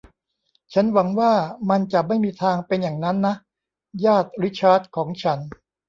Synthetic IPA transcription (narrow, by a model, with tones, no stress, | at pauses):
t͡ɕʰa˦˥nwa˩˦ŋwaː˥˩ma˧nt͡ɕa˨˩ma˥˩jmiː˧t̪ʰaː˧ŋpe˧njaː˨˩ŋna˦˥nːa˦˥ | jaː˥˩t̪̚ɾi˦˥t͡ɕʰaː˦˥t̪̚kʰɔː˩˦ŋt͡ɕʰa˦˥n